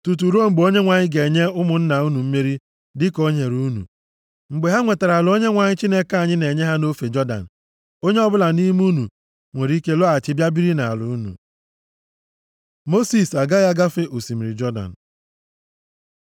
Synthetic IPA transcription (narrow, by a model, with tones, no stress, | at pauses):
tu˨t̬u˨ɾo˦˨ŋ͡m̩˨ɡ͡bo˦ɲe˦ŋʷa˨ɲɪ˦ɡe˨ɲe˦ʊ˦mʊ˨n̩˦na˨u˦nu˨m̩˦me˦ɾi˦ | dɪ˦ko˦ɲe˨ɾu˦nṵ˨ | ŋ͡m̩˨ɡ͡be˨ɦa˦ŋʷe˨ta˨ɾa˨lo˦ɲe˦ŋʷa˨ɲɪ˦t͡ʃi˦ne˦ka˦˨ɲɪ˦ne˨ɲe˦ɦa˦no˦fe˨d͡ʒɔ˦da̰˨n̩˨ | o˦ɲe˦ɔ˦bʊ˦la˨ni˦m˦u˦nṵ˨ | ŋʷe˨ɾi˦ke˦lɔ˦a˨t͡ʃɪ˦bja˦bi˦ɾi˦na˨lʊ˨u˦nṵ˨ | mo˦si˨sa˨ɡa˦ja˦ɡa˦fe˦o˨si˨mi˨ɾi˨d͡ʒɔ˦da̰˨n̩˨